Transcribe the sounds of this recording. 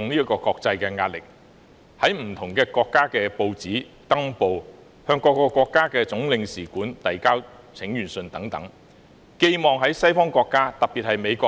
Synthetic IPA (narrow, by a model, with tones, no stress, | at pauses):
ʊ˨ŋliː˥ɐ˥kɔː˧kɔː˧k̚t͡sɐ˧jkɛː˧ŋaː˧t̚lɪ˨k̚ | hɐ˨˥jm̩˨˩t̪ʰʊ˨˩ŋkɛː˧kɔː˧kːaː˥kɛː˧po˧wt͡siː˨˥ | t̪ɐ˥ŋpo˨w | hœː˧ŋkɔː˧kːɔː˧kːʷɔː˧kːaː˥kɛː˧t͡sʊ˨˥ŋlɪ˨˧ŋsiː˨˩kuː˨˥nt̪ɐ˨jkaː˥w | t͡sʰɪ˨˥ŋjyː˨˩nsɵ˨˧nt̪ɐ˨˥ŋt̪ɐ˨˥ŋ | ke˧jmɔː˨˩ŋɦɐ˨˥jsɐ˥jfɔː˥ŋkʷɔː˧kːaː˥t̪ɐ˨p̚piː˨t̚hɐ˨jme˨˧jkʷɔː˧